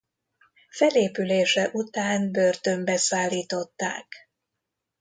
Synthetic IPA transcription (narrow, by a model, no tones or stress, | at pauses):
fɛleːpyleːʃɛʔut̪aːnbø̞rt̪ø̞mbɛsaːlːiːt̪o̞t̪ːa̰ːk